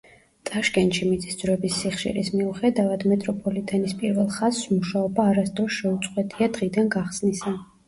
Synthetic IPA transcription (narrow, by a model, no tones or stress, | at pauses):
t̪sʼaʃkʼɛnʃimit̪sʼisd̪zɾɛbisːiχʃḭɾḭsmiuχɛd̪avad̪mɛt̪ʼɾɔpʰʼɔlit̪ʼɛnispʼiɾvɛlˠχaz̥smuʃaɔbaːɾasd̪ɾɔsʃɛut̪sʼqʼwɛt̪ʼiad̪ʁid̪anɡaχsnisa